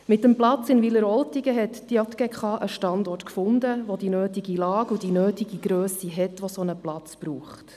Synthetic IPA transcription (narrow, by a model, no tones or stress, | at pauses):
mɪtːəmplɑt͡sɪnviləɾɔltiɡəɦɛtd̥iɑt̪ɡ̥ɛkχɑːʔəʃtɑndɔɹtkfʊndəʋod̥inøːtiɡilɑːɡud̥inøːtiɡ̥iɡɾøːsiɦɛtʋosonəplɑt͡sb̥ɾuːχt